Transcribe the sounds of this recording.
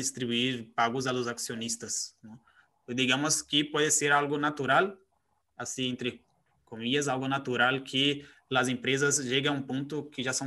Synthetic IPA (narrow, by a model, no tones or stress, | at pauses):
d̪ist̪ɾibuiɾpaɡʊzalʊzaksionist̪ɐsnɛ̃ | d̪iɡãmʊskɪpɔðɪseɾalɡʊnat̪uɾal | asĩẽnt̪ɾɪ | komiʎɐzalɡʊnat̪uɾalkʰɪ | lɐzẽmpɾezɐzʒeɡɐ̃ũpõnt̪ʊkɪʒasɐ̃